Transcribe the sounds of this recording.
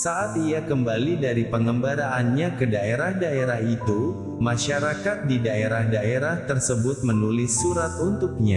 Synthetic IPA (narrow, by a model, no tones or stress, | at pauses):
saʔat̪iakəmbalidaɾipəŋəmbaɾaʔːnɲakədaeɾahdaeɾahit̪u | maʃaɾakat̪̚didaeɾahdaeɾaht̪ərsəbʊt̪̚mənulɪsːuɾat̪unt̪ʊk̚ɲa